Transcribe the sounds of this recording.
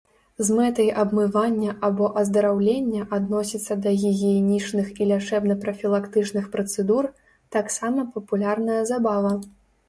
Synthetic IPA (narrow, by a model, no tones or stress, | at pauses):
zmɛt̪ɐjʔɐbmɨvanʲːɐʔabɔʔɐzd̪ɐɾawlʲenʲːɐʔad̪nɔsʲit̪sːɐd̪ɐɣʲiɣʲijɛnʲit͡ʂnɨxilʲat͡ʂɛbnɐpɾɐfʲilˠakt̪ɨt͡ʂnɨxpɾɐt̪sɛd̪ur | t̪aksamɐpɐpulʲarnɐjɐzabavɐ